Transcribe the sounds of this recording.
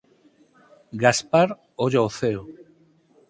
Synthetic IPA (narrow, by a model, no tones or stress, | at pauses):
ɡaspaɾ | oʎaoθeo